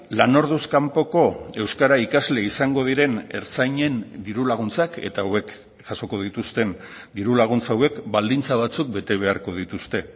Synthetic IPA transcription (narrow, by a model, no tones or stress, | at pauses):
lano̞ɾðuskampo̞ko̞e̞wskaɾaikazle̞isaŋɡo̞ð̞iɾe̞ne̞̰ɾt͡sajɲe̞nd̪iɾulaɣ̞unt͡sake̞̰t̪awe̞k | ʝ̥aso̞ko̞ð̞it̪ust̪e̞n | d̪iɾulaɣ̞unt͡sawe̞kbald̪int͡saβ̞at͡suk̚be̞t̪e̞β̞e̞aɾko̞ð̞it̪ust̪e̞